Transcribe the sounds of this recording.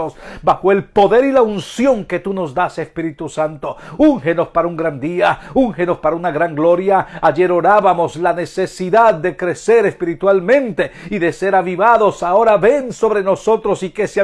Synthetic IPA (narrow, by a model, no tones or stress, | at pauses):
osbaxoe̞lpo̞ðe̞ɾilaunsjo̞ŋke̞t̪uno̞zd̪ase̞spiɾit̪usant̪o̞uŋxeno̞spaɾauŋɡɾand̪iauŋxeno̞spaɾaunaɣɾaŋɡlo̞ɾjaaʝe̞ɾo̞ɾaβamo̞slane̞se̞siðaðːe̞kɾe̞se̞ɾespiɾit̪walmẽ̞nt̪e̞iðe̞se̞ɾaβiβaðo̞sao̞ɾaβe̞nso̞βɾe̞no̞so̞t̪ɾosike̞sa